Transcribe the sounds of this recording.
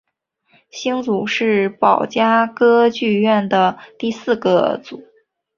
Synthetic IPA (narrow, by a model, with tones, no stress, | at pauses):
ɕi˥ŋt͡su˨˩˦ʂɻ̩˥˩pɑ˨˩ʊt͡ɕja˥kɤ˥t͡ɕy˥˧ɥɛ˥˩nd̪ə˩t̪i˥˧sɹ̩˥˩ɡə̰˩t͡su˨˩˦